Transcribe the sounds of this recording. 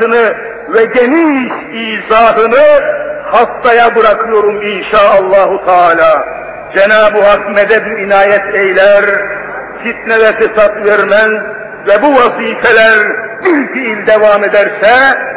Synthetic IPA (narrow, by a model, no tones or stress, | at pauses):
ɯnɯ | vɛɟeniʃ | iːzaːɦɯnɯhast̪ajabɯɾakʰɯjo̞ɾuminʃaːalˠːɑːɦut̪ʰaːlʲaː | d͡ʒɛnaːbuɦakmɛd̪ɛbuinaːjɛt̪ʰejlʲæɾ | fit̪̚nɛd̪ɛfisat̪vɛɾmæz | vɛbuvaziːfɛlʲæɾbiɾfiilʲd̪evaːmed̪æɾsɛ